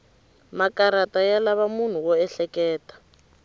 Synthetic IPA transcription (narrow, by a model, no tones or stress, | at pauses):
makaɾatajalaβamun̤uwɔɛɬɛkɛːtḁ